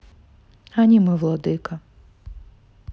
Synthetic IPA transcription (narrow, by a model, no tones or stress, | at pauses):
anʲimɪʋlˠɔd̪ɪkɐ